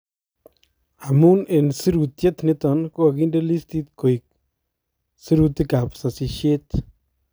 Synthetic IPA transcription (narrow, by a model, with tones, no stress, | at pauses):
a˨mu˦ne˨nsi˦ɾu˨t̪je˦t̪ne˦t̪a˨˧nko˦a˧ki˦nɾe˦li˦st̪i˦t̪ko˨jk̚ | si˦ɾu˧t̪i˦ka˨psa˧si˧ʃe˦t̪